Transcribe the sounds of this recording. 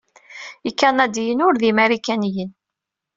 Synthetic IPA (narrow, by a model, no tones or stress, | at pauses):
ikːænæd̪ijənʊɾðimæɾikænijən